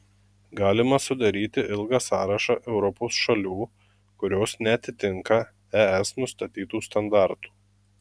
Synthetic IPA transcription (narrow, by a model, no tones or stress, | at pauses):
ɡɑːlʲɪmɐsʊd̪ɐɾʲiːt̪ʲɪʔɪlˠɡɑsɑːɾɐʃɑʔɛʊɾɔposʃɐlʲuː | kʊɾʲoːsnʲɛɐt̪ʲɪt̪ʲɪŋkɐ | æːɛsnʊst̪ɐt̪ʲiːt̪uːst̪ɐnd̪ɑˑɾt̪u̥ː